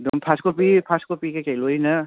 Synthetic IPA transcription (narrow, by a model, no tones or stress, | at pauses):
dɔmpʰaskopipʰaskopikajkajlojnɐ